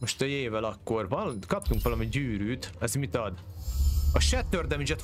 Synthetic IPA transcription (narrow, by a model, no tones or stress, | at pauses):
moʃt̪ɛeːvɛlɒkːo̞rvɒlkɒp̚t̪uŋkʋɒlɒmiɟyːɾyːt̪ɛzmit̪ɒd̪ | ɒʃɛt̪ːørd̪ɛmid͡ʒɛt̪